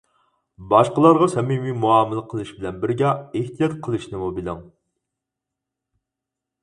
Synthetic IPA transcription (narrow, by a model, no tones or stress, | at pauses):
bɑʃqəlˠɑɾʁɑsɛmimimuɑːmɨlˠəqʰəlˠɨʃbɪlɛnbɪɾɡʲɛeht̪ijɑt̪̚qʰəlˠɨʃnɪmubɪlɪŋ